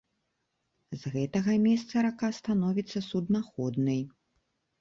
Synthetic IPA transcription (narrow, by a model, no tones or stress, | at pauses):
zɣɛt̪ɐɣɐmʲɛst̪sɐɾakast̪anɔvʲit̪sːɐsud̪naxɔd̪nɨj